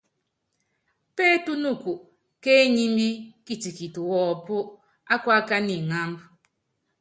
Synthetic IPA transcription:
pɛ˦tu˦nu˦˨ku˨ʔ | ke˦ɲi˦mbi˦ki˦ti˨ki˨tu˨wɔː˦˨po˦ʔ | a˦kwa˦ka˦ni˨ŋa˦mb

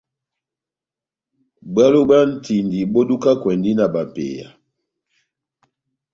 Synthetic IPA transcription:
ba˦lo˦ba˦n̩˦tʰi˨ndi˨ɓo˦du˦ka˦kwɛ˨ndi˦na˨ba˨pḛ˨ja̰˨

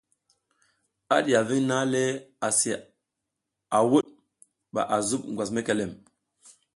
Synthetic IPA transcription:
a˦ɗi˨a˨vi˦ŋna˦le˦a˨si˨ | a˨wo˦ɗ | ɓa̰˨ʔa˨zu˦p̚ŋ˨ɡwa˨s̬me˦ke˨lɛ˨m

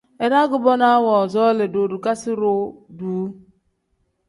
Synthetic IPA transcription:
e˨ɾa˦ɡʊ˨bɔ˦na˦wɔ˨zɔ˦le˨do˨du˨ka˦sɪ˦ɾʊ˦duː˨˦

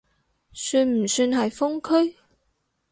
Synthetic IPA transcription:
syː˧nm̩˨˩syː˧nɦɐ˨jfʊ˥ŋkʰɵ˥ɥ

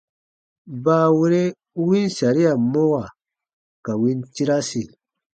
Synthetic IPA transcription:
baː˦wi˦ɾe˦ | wi˦nsa˨ɾi˦ja˨mo˦wa˨ | ka˨wi˦nti˦ɾa˦si˨

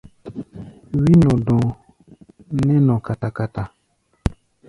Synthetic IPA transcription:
wi˦nɔ̃˨dɔ̃˨ | nɛ˦nɔ̃˨ka˨ta˨ka˨ta˨

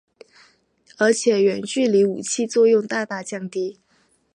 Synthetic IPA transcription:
ə˞˧˥t͡ɕʰjɛ˨˩˦ɥɛ˨˩nt͡ɕy˥˩li˧˥ṵ˨˩t͡ɕʰi˥˧t͡swɔ˥˧jʊ˥˧ŋt̪a˥˧t̪a˥˧t͡ɕjɑ˥˩ŋt̪i˥

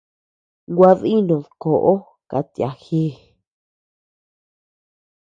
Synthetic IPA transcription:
ŋɡʷa˧ði˦nũ˨ðko˨ʔo˦ | ka̰˨˧t̪ja̰˨xi˦

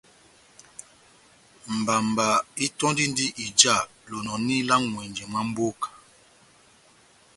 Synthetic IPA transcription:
m̩˨ba˨mba˨i˦tɔ˦ndi˦n˦di˦ʔi˨d͡ʒa˦˨ | lo˨nɔ˨ni˦la˦ŋŋwɛ˨nd͡ʒɛ˨ma˦m̩˦bo˦kḁ˨

